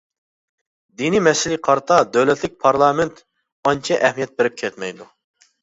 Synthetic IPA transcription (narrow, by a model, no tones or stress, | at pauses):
d̪inimɛsɪliqʰɑɾt̪ʰɑd̪ɛwlɛt̪lɪk̚ʲpʰɑɾlˠɑːmɪnt̪ | ɑnt͡ʃʰɛʔɛhmijɛt̪̚beɾɪp̚kʲʰɛt̪mɛjd̪u